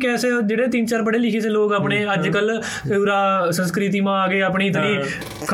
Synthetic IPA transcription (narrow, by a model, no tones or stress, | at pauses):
kɛːseːd͡ʒeːɽeːt̪int͡ʃaːɾbəɽeːlɪkʰeːseːloːkaːpɳeːəd͡ʒkəl | ɾaːsə̃nskɾɪt̪̬iːmãːaːɡeːaːp̬ɳiːt̪niː | kʰ